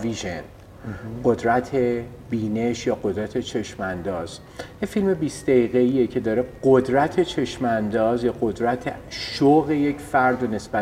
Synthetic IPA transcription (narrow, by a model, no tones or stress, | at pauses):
viʒen | ɢod̪ɾæt̪ʰe̞ | biːne̞ʃjɒːɢo̞d̪ɾæt̪ʰe̞t͡ʃʰe̞ʃmænd̪ɒːz̥ | jefilme̞biːsd̪̥æiːɣeijecʰe̞d̪ɒːɾeɢod̪ɾæt̪ʰe̞t͡ʃʰe̞ʃmænd̪ɒːzjɒːɢo̞d̪ɾæt̪ʰḛʃoɣe̞jecʰfæɾd̪one̞sb̥æ